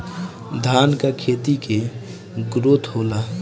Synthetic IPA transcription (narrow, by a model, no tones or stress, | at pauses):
d̪ʱaːnkakʰeːt̪ike | ɡɾot̪ɦoːla